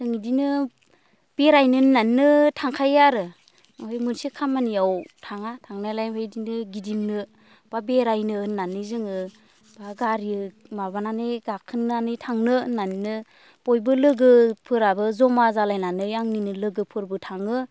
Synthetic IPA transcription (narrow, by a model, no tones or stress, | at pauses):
zɯŋidinɯ | b̥eɾajnɯnannɯtʰaŋkʰajaɾɯ | hojmɯnsikʰamanijawtʰaŋatʰaŋnajlajhɯjdinɯɡidiŋnɯ | b̥abeɾajnɯːnːanɯzɯŋɯ | baɡaɾiɯ | mabananɯɡakʰɯnːanɯjtʰaŋnɯnannɯ | b̥ɔjbɯlɯɡɯpʰɯɾabɯzɔmazalajnanɯjaŋninɯlɯɡɯpʰɯɾbɯtʰaŋɯ